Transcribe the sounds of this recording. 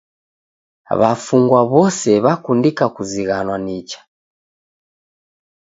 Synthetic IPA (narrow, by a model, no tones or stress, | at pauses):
βafuŋɡwaβɔsɛβakundikakuziɣanwanit͡ʃḁ